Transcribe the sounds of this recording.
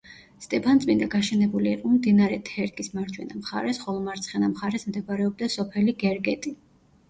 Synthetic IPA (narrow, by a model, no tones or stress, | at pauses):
st̪ʼɛpʰant̪sʼmind̪aɡaʃɛnɛbuliqʼɔmd̪inaɾɛt̪ʰɛɾkʼismaɾd͡ʒwɛnamχa̰ɾɛsχɔlˠɔmaɾt̪sʰχɛnamχaɾɛsmd̪ɛɡaɾɛɔb̚d̪asɔpʰɛliɡɛɾɡɛt̪ʼi